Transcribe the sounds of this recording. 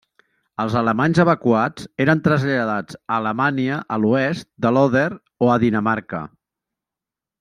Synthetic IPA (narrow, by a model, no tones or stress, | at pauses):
əlˠzələmanzəβəkuad͡zeɾənt̪ɾəzʎəðad͡zəːləmaniəʔəluɛst̪̚d̪əlɔðɛɾ | oəðinəmaɾkə̰